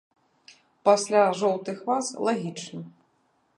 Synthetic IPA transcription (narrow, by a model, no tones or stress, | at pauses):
pasʲlʲaʐɔwt̪ɨxvaslˠaɣʲit͡ʂnɨ